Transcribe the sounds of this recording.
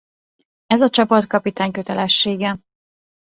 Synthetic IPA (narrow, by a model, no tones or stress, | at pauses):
ɛzɒt͡ʃɒpɒt̪kɒpit̪aːɲkø̞t̪ɛlɛʃːeːɡɛ